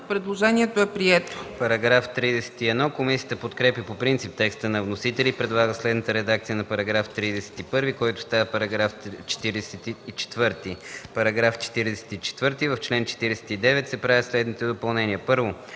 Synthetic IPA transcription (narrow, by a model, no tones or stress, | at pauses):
pɾɛd̪lˠoʒɛniɛt̪oɛpɾiɛt̪opɐɾɐɡɾaft̪ɾid̪ɛsɛ̥t̪iɛd̪nɔkomisiət̪əpot̪kɾɛpjəpopɾint̪sip̚t̪ɛkst̪ənɐvnosit̪ɛlipɾɛd̪lˠaɡəslɛd̪nət̪əɾɛd̪ak̚t̪sijənɐpɐɾɐɡɾaft̪ɾid̪ɛsɛ̥t̪ipɤɾvikɔjt̪ʊ̥st̪avəpɐɾɐɡɾaft͡ʃɛ̥t̪iɾɛsɛt̪iːt͡ʃɛ̥t̪vɤɾt̪ipɐɾɐɡɾaft͡ʃɛ̥t̪iɾɛɛsɛ̥t̪it͡ʃɛ̥t̪vɤɾt̪ivəft͡ʃlɛnt͡ʃɛ̥t̪iɾɛsɛ̥t̪id̪ɛvɛt̪sɛpɾavislɛd̪nit̪ɛd̪opɐlˠnɛniəpɤɾvo